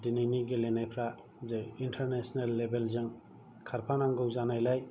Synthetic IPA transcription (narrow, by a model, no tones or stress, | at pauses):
dinajniɡelenajpʰɾa | zeintʰaɾnesɔnalːebelzɯŋ | kʰaɾpʰanaŋɡɯwzanajlaj